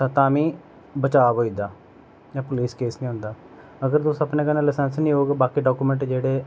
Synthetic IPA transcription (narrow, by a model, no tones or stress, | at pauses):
t̪at̪ãːmĩː | bət͡ʃaːbɦoːid̪aː | d͡ʒãːpʊliːskeːsnĩːɦʊ̃nd̪aː | əɡəɾt̪osəpnẽːkənãːlɪsɛːnsnĩːɦoːɡbaːkiːɖaːkuːmɛ̃ɳʈd͡ʒeːɽeː